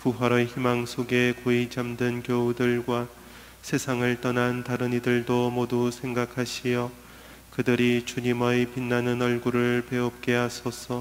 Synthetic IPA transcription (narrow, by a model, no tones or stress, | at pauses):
puɦaɾʌçimaŋsʰoɡekoit͡ɕamdɯnkjoudɯɭɡwa | sʰe̞sʰaŋɯɭt͈ʌnantaɾɯnidɯɭdomodusʰe̞ŋɡakʰaɕʰijʌ | kɯdɯɾit͡ɕuɲimʌjpinːanɯnʌɭɡuɾɯɭpe̞ʌp̚k͈e̞ɦasʰʌsʰʌ